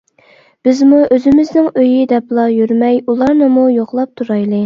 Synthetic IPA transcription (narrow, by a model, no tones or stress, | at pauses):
b̥ɪzmuøzɪmɪznɪŋøjid̪ɛplˠɑjyɾmɛjulˠɑɾnɨmujoχlˠɑp̚t̪ʰuɾɑjlˠɨ